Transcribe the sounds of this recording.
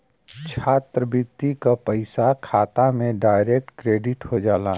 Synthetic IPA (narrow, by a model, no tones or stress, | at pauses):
t͡ʃʰaːt̪ɾəbɪt̪ːikapəɪsakʰaːt̪amẽɖaːɪɾeːk̚ʈkɾeːɖɪʈhod͡ʒaːlaː